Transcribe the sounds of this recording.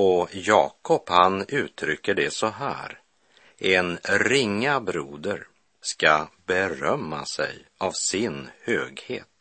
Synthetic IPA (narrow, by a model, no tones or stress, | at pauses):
ɔjɑːkʰɔphanʉ̟ːt̪ʰɾʏkːəɖɛsɔɦæ̰ːɾ | ɛnɾɪŋːabɾuːd̪əɾ | skabɛɾœmːa̰sɛ̰javsɪnhøːɡhḛːt̪